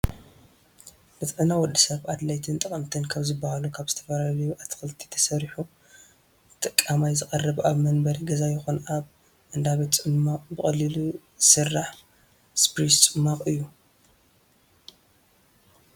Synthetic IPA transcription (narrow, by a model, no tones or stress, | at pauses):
bɨt̪ʼʕɨnawɔd̪ːɨsɐβad̪lajt̪ʰɨnt̪ʼɐkʼɐmt̪ʰɨnkʰaβzɨbːahalukʰaβz̥ɨt̪ʰɐfɐlalɐjuʔat̪ʰːɨ̥xɨlt̪ʰi̥t̪ʰɐ̥sɐɾiħu | t̪ʼɐkʼːamajzɨxʼɐrːɐβʔaβmɐnbɐɾiɡɐzajɪxonaβ | ʔɨnd̪aβet̪t͡sʼɨmmaqʼbɨχʼɐlilu | sɨrːaħ | spɾist͡sʼɨmːaqʼɨjːu